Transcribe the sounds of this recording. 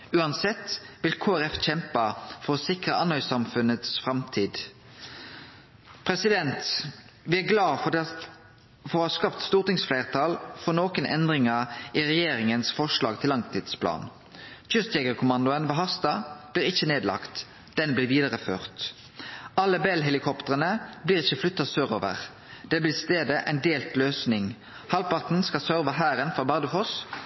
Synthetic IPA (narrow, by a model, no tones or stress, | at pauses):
ʉːɑnsɛt̪ːʋɪlkʰoːæʁɛfc͡çɛmpəfɔʁɔsɪkʁəʔɑnhœʏsɑmfʉnət̪sfɾʁɑmt̪ʰiːd̪ | pʰʁɛsɪd̪ɛnt̪ | ʋɪːæɡlɑːfɔd̪ɛ | fɔʁɔhɑːskɑft̪st̪uːʁt̪ɪŋsflæɪʁt̪ʰɑːlfɔnoːkənʔɛ̰nd̪ʁɪŋəʁiʁɛjeːɾɪŋənsfɔʂlɑ̰ːɡ̚t̪ʰɪlːɑŋt̪ʰiːd̪̥spʰlɑ̰ːn | çʉst̪jɛɡəʁkʰʊmɑnd̪ʊənʋɑːɦɑʁst̪ɑb̥liːʁɪçːəneːd̪lɑ̰kt̪ | d̪̥ɛnblɪːʋiːd̪əʁəføːʁt̪ | ɑlːəbɛlɦɛlɪkʰɔpt̪əʁənəbliːʁɪçːəflʉt̪ːɑsøːʁo̰ːʋə̰ʁ | d̪̥ɛblɪst̪eːd̪əʔæ̰ɪnd̪eːlt̪løːsnɪŋ | hɑlpɑʁt̪n̩skɑsœʁʋɑɦæːɾənfʁɔbɑʁd̪əfɔs